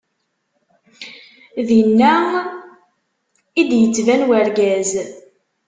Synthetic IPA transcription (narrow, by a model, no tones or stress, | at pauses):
ðinːæ | id̪jət͡sːvænwæɾɡæz